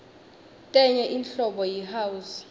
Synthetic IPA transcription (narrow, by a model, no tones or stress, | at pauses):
tʼɛɲɛʔinɬɔɓɔjiɦawus